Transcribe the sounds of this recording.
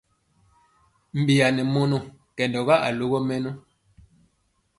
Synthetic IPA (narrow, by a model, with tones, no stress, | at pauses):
m̩˨bi˨a˨nɛ˨mo˦nu˨kɛ˨ndɔ˨ɣa˦ʔa̰˨lo˦ɣɔ˦mɛ˦nu˦